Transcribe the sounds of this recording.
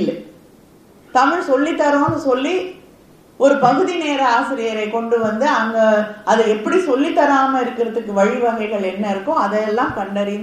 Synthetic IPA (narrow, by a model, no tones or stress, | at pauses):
lːɛ | t̪ɐmɪɭsɔlːit̪ːɐɾõːnɯsɔlːi | ɔɾɯpɐɣɯðineːɾɐaːsɪɾɪjɐɾɐɪkɔɳɖɯʋɐnd̪ɯɐŋɡɐʔɐðɯɛpːɐɽisɔlːit̪ːɐɾaːmɐɪɾɯkːɪɾɐðɯkːɯʋɐɻiʋɐɣɐɪɣɐɭɛnːɐɪɾɯkːʊ̃ɐðɐjɛlːãːkɐɳɖɐɾɪn